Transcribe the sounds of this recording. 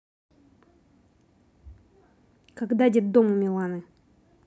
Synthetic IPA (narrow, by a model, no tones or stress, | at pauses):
kaɡd̪adʲɛd̪omumʲɪlˠanɨ